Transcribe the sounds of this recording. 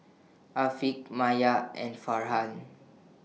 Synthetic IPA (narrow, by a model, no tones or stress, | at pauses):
ʔafik̚majaɛ̰̃nfaɹɦãn